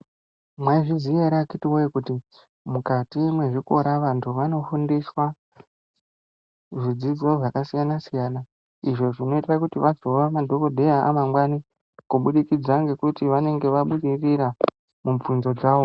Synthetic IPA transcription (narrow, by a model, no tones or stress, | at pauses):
mwaiʐizijeɾakitiwojekuti | mukatimwe̞ʐiko̞ɾaʋantʰuʋano̞fundiswa | ʐid͡zid͡zo̞ʐakasijanasijaːna | iʐo̞ʐino̞itakutiʋazo̞ʋamadʱo̞ko̞dʱe̞jaʔa̰maŋɡwani | kuɓuɗikid͡zaŋɡe̞kutiʋane̞ŋɡe̞ʋaɓuɗiriɾa | muɱvunzo̞d͡zaːʋo̞